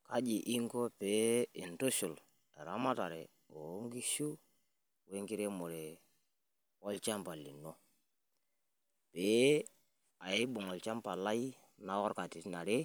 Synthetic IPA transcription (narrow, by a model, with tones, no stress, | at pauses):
ka˦d͡ʒi˨ʔi˦ŋɡɔ˦peː˨˦ɪ˨nto˦ʃu˨l | ɛ˨ɾa˦ma˦ta˨ɾɛ̰˨ | o˨˦ŋɡi˦ʃu˦ | we˦ŋɡi˦ɾe˦mo˨ɾe˨ | ɔ˦lt͡ʃa˦mpa˨li˨nɔ˦ | peː˦ | a˨ɪ˦bʊ˨ŋɔ˨lt͡ʃa˦mpa˨la˦i˦ | na˦ɔ˦ɾka˨ti˨tna˨ɾe˦